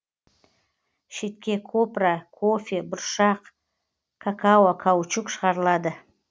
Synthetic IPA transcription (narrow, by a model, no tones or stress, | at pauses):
ʃe̞t̪̚kʲe̞kʰo̞prakʰo̞fʲebʊɾʃɑq | kʰakʰawakʰawt͡ʃukʃəʁɑɾəlˠɑd̪ə